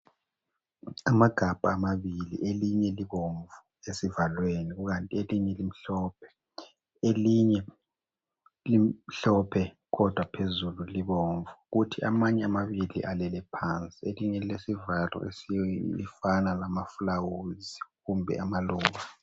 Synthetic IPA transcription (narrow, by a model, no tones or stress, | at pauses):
amaɡ̥ʱab̥ʱaːmaβilḭʔeliɲɛliβoɱvu | esivalweniɣuɣantʼieliɲɛlim̩ɬɔːpʰɛ̥ | eliɲɛ | liɬɔpʰɛ | ɣɔd̥ʱwapʰezululiβoɱvuɣutʰiʔa̰maɲɛamaβilḭʔalɛlɛpʰant͡sʼieliɲɛilesivalɔ̰ʔḛsiḭfanalamafulawuziɣumbʱɛ̰amaluːŋa